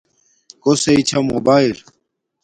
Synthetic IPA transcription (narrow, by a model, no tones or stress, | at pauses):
koseit͡ɕʰɐmobaːil